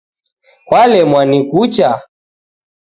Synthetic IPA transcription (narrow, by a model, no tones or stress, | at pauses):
kwalɛmwanikut͡ʃa